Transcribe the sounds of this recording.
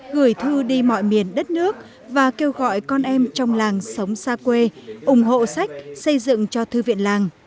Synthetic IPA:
ɣɨ˨˧˩əjt̪ʰɨ˧ɗi˧mɔ̰˧˨jmi˨˩ənɗə˦˥t̚nɨ˦˥ək̚ | vaː˨˩ke˧wɣɔ̰˧˨jkɔ˧nʔɛ˧mt͡ɕɔ˧wŋ͡mlaː˨˩ŋsə˨˦wŋ͡msaː˧kwe˧ʔʊ˨˧˩ŋ͡mɦo̰˧˨sa˦˥jk̟̚sə˧jzɨ̰˧˨ŋt͡ɕɔ˧t̪ʰɨ˧vḭ˧˨ənlaː˨˩ŋ

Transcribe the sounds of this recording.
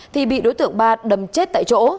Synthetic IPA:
t̪ʰi˨˩ɓḭ˧˨ɗo˨˦t̪ɨ̰˧˨əŋɓaː˧ɗə˨˩mt͡ɕe˦˥t̚t̪a̰ː˧˨jt͡ɕo̰˧˥

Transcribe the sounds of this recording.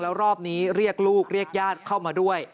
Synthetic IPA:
lɛː˦˥wɾɔː˥˩p̚niː˦˥ɾi˥˩ək̚luː˥˩k̚ɾi˥˩ək̚jaː˥˩t̪̚kʰa˥˩wmaː˧du˥˩əj

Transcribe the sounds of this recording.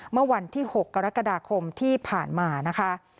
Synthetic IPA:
mɯ˥˩ɐwa˧nt̪ʰiː˥˩ho˨˩kːa˧ɾa˦˥kːa˧daː˧kʰo˧mt̪ʰiː˥˩pʰaː˨˩nmaː˧na˦˥kʰa˦˥ʔ

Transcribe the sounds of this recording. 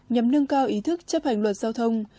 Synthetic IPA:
ɲa˨˩mnɨ˧əŋkaː˧wʔi˨˦t̪ʰɨ˦˥k̚t͡ɕə˦˥p̚ha˨˩ŋlwə˨˩t̚zaː˧wt̪ʰə˧wŋ͡m

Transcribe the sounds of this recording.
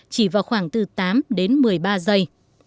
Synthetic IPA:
t͡ɕi˧˩vaː˨˩wxwaː˧˩ŋt̪ɨ˨˩t̪aː˨˦mɗe˨˦nmɨ˨˩əjɓaː˧zə˧j

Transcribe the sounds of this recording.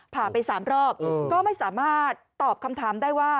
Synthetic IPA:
pʰaː˨˩pa˧jsaː˩˦mɾɔː˥˩p̚kɔː˥˩ma˥˩jsaː˩˦maː˥˩t̪̚ːɔː˨˩p̚kʰa˧mt̪ʰaː˩˦mdaː˥˩jwaː˥˩

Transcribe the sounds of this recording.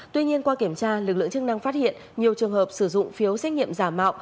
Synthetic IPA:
t̪wi˧ɲi˧ənkwaː˧ki˧˩əmt͡ɕaː˧lɨ˨˩k̚lɨ̰˧˨ŋt͡ɕɨ˦˥k̚na˧ŋfaː˦˥t̚hḭ˧˨ənɲi˨˩əwt͡ɕɨ˨˩əŋhəː˨˩p̚sɨ˧˩zʊ̰˧˨ŋ͡mfi˨˦əwsɛ˦˥k̚ɲḭ˧˨əmzaː˧˩mːa̰ː˧˨w

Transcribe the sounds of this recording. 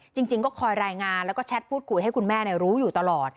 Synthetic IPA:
t͡ɕi˧ŋt͡ɕi˧ŋkɔː˥˩kʰɔː˧jɾaː˧jŋaː˧nlɛ˦˥wkɔː˥˩t͡ɕʰɛ˦˥t̪̚pʰuː˥˩t̪̚kʰu˧˩jɦa˥˩jkʰu˧nmɛː˥˩ni˥˩ɾuː˦˥juː˨˩t̪a˧lɔː˨˩t̪̚

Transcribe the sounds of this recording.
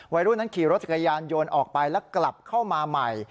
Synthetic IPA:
wa˧jɾuː˦˥˩na˦˥nkʰiː˨˩˦ɾo˦˥t̪̚t͡ɕa˨˩kjaː˧njoː˧nʔɔː˨˩k̚pa˧jlɛː˦˥wkla˨˩p̚kʰa˥˩wmaː˧ma˨˩j

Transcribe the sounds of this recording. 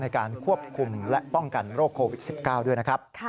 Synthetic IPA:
na˧jkaː˧nkʰu˥˩əp̚kʰu˧mlɛ˦˥ʔpɔ˥˩ŋka˧nɾoː˥˩kʰːoː˧wi˦˩t̪̚si˨˩p̚kaː˥˩wdu˥˩jna˦˥kʰɾa˦˥p̚ʰ

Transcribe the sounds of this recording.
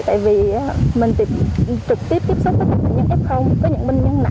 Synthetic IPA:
t̪a̰ː˧˨jvi˨˩˨mï˨˩ŋ̟t̪i˨˩mt͡ɕ̪ɨ˨˩k̚t̪i˦˥əp̪̚i˥p̚sʊ˦˥p̚t̪ə˨˦˥ə˨˧˩a̰ː˧˩ɲɨ̰˧˥ŋʔɛ˦˥p̚xə˧wŋ͡mkɔː˨˦ɲɨ̰˧˥ŋɓi˧ŋ̟ɲə˧ŋna̰˧

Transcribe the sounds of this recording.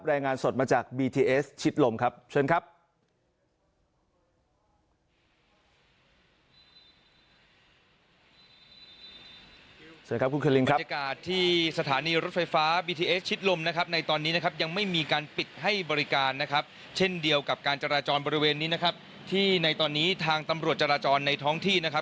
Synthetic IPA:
p̚ɾɛː˧ŋaː˧nso˨˩t̪̚maː˧t͡ɕaː˨˩k̚biː˧t̪ʰiː˧ʔeː˦˥st͡ɕʰi˦˥t̪̚lo˧mkʰa˦˥p̚t͡ɕʰɤ˧ənkʰa˦˥p̚ | t͡ɕʰɤː˧ka˦˥ku˧nkʰeː˧li˧ŋkʰa˦˥a˧kaː˨˩t̪ʰːiː˥˩sa˧t̪ʰaː˩˦niː˧ɾo˦˥t̪̚fa˧jfaː˦˥biː˧t̪ʰiː˧ʔe˦˥s̚t͡ɕʰi˦˥t̪̚lo˧mna˦˥kʰa˦˥p̚na˧jt̪ɔː˧nːiː˦˥na˦˥kʰa˦˥p̚ja˧ŋma˥˩jmiː˧kaː˧npi˨˩t̪̚ha˥˩jbɔː˧ɾi˦˥kaː˧nːa˦˥kʰa˦˥p̚ | t͡ɕʰe˥˩ndi˧əwka˨˩p̚kaː˧nt͡ɕa˧ɾaː˧t͡ɕɔː˧nbɔː˧ɾi˦weː˧nːiː˦˥na˦˥kʰa˦˥p̚ | t̪ʰiː˥˩na˧jt̪ɔː˧nːiː˦˥t̪ʰaː˧ŋt̪a˧mɾu˨˩ət̪̚t͡ɕa˧ɾaː˧t͡ɕɔː˧nːa˧jt̪ʰɔː˦˥ŋt̪ʰiː˥˩na˦˥kʰa˦˥p̚

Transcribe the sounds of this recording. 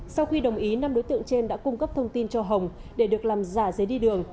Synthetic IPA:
sa˧wxi˧ɗə˨˩wŋ͡mʔi˨˦na˧mɗo˨˦jt̪ɨ̰˧˨əŋt͡ɕe˧nɗa̰ː˧˥kʊ˧ŋ͡mkə˦˥p̚t̪ʰə˧wŋ͡mt̪i˧nt͡ɕɔ˧ɦə˨˩wŋ͡mɗe˧˩ɗɨ˨˩ək̚laː˨˩mzaː˧˩zə˨˦jɗi˧ɗɨ˨˩əŋ

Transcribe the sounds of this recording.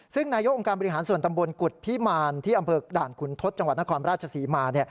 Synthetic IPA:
sɯ˥˩ŋnaː˧jo˦˥kʔo˧ŋkaː˧nbɔ˧ɾi˦ɦaː˩˦nsu˨˩nt̪a˧mbo˧nku˨˩t̪̚pʰi˦˥maː˧nt̪ʰiː˥˩ʔa˧mpʰɤː˧daː˨˩nkʰu˩˦nt̪ʰo˦˥t̪̚t͡ɕa˧ŋwt̪̚na˥kʰɔː˧nɾaː˥˩t̪̚t͡ɕʰa˧siː˩˦maː˧ni˥˩ɐ

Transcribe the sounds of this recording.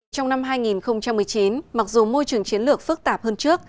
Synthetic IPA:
t͡ɕɔ˧wŋ͡mna˧mɦaː˧jŋi˨˩nxə˧wŋ͡mt͡ɕa˧mːɨ˨˩əjt͡ɕi˨˦nma˨˩k̚zu˨˩mo˧jt͡ɕɨ˨˩əŋt͡ɕi˨˦ənlɨ˨˩ək̚fɨ˦˥k̚t̪aː˧˨˩p̚həː˧nt͡ɕɨ˦˥ək̚

